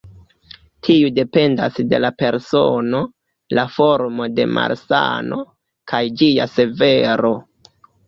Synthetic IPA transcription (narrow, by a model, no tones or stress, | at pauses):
tʰiude̞pe̞ndasde̞̰lape̞ɾso̞no̞ | lafo̞ɾmo̞de̞ma̰ɾsa̰no̞̰ | kʰajd͡ʒia̰se̞ve̞ɾo̞